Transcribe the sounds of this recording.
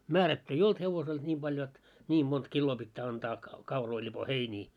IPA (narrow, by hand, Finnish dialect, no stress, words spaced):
mæːrætːy ei olt heʋosel et nʲiːm b̥ɑl jot nʲiːm mont kilːoː pitːæː ɑntɑː kɑuroi lʲipo heiniː